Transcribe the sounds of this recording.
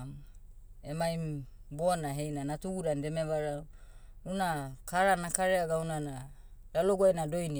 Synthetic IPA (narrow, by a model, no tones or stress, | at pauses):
emajmbonaɦe̞jnanatuɡudande̞meβaɾa | unakaɾanakaɾeaɡawnana | daloɡuajnado̞jni